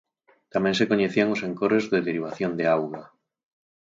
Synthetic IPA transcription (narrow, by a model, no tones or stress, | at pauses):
t̪amẽŋsekoɲeθiaŋoseŋkoɾezðeðeɾiβ̞aθjond̪eawɣa